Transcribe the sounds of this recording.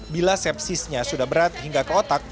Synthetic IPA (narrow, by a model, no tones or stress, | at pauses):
bilasɛp̚sɪsɲasudahbəɾat̪̚hiŋɡakəot̪ak̚